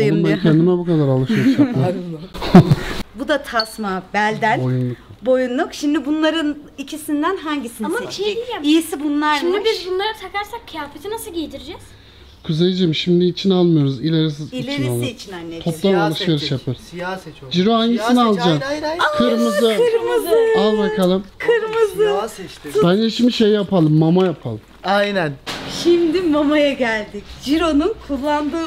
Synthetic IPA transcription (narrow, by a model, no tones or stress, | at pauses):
jɯmaɾkʰɛnd̪imɛbukad̪aɾalˠɯʃveɾiʃjaɯɾ | bud̪at̪ʰasmabælʲd̪ænjunlˠubo̞junlˠukʃimd̪ibunlˠaɾɯnicʰisind̪ænɦaɲɟisinʃeijisibunlˠaɾʃimibizbunlˠaɾat̪ʰakaɾsak̚cʰjaːfet̪ʰinasɯlˠɟet̪ʰiɾed͡ʒɛz̥ | kʰuzejd͡ʒimʃimd̪iːt͡ʃʰinalˠmɯjo̞ɾuzilʲaɾis̬ɯzit͡ʃinalˠɯt͡ʃ̪ʰt̪ʰoplˠanalˠɯʃve̞ɾiʃjapʰɯɾ̥ | d͡ʒiɾoajnisinialˠd͡ʒakʰɯɾmɯzɯɾmɯzalˠbakʰalˠɯmkʰɯɾmɯzɯbænd͡ʒeʃimd̪iʃejjapʰalˠɯmːamajapʰalˠɯmajnænʃimd̪imamajaɟælʲd̪icd͡ʒiɾo̞nunkʰulˠːand̪ɯː